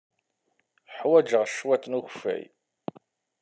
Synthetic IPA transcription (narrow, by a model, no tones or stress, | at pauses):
ħwæd͡ʒəʁʃwæt̪ːnuçfæ̰j